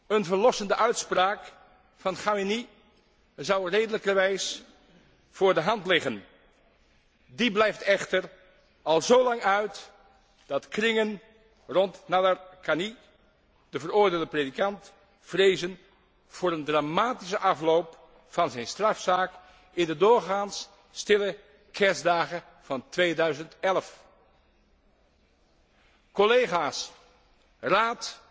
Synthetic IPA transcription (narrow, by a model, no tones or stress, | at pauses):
ənvəɹlɔsəndəʔœɥtspraːk | fɑnχawini | zɑwrejdələkəɹʋɛjs | v̥ʊːɹdəɦɑntlɪχən | diblɛjftɛχtəɹ | ɑlˠzowlɑŋœɥt | d̥ɑtkrɪŋən | rɔntnadərkani | d̥əvərʊːɹdeːlˠdəpredikɑnt | v̥rejzən | v̥ʊːɾəndraːmaːtis̬əʔɑflowp | fɑnzɛjnstrɑfsaːk | ɪndədʊːɹχaːns | stɪlə | kʰɛɹsdaːχə | v̥ɑntʋejdœɥzəntɛləf | kɔlejχaːs | raːt